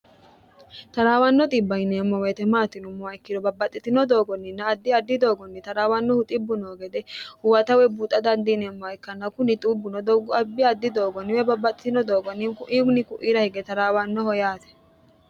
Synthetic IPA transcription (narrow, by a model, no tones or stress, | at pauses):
t̪ɐɾaːwɐnːɔt̪ʼɪbːɐjnɛmːɔwɛt̪ɛmaːt̪ːɪnʊmːɔɐjkːɪd̪ɔbɐbːɐt̪ʼːɪt̪ɪnɔd̪o̞ːɡɔnːɪnːɐːd̪ːɪɐd̪ːɪd̪o̞ːɡɔnːɪt̪ɐɾaːwɐnːɔhʊt̪ʼɪbːʊnoːɡɛd̪ɛhʊwɐt̪ɐwɛbuːt̪ʼɐd̪ɐnd̪inɛmːɔɐjkːɐnːɐkʊnɪt̪ʼuːbːʊnɔd̪ɔɡɔɐbːɪɐd̪ːɪd̪o̞ːɡɔnɪwɛbɐbːɐt̪ʼːɪt̪ɪnɔd̪o̞ːɡɔnːɪnkʊʔiːkʊnɪkʊʔiːɾɐhɪɡɛt̪ɐɾaːwɐnːɔhɔjaːt̪ɛ̥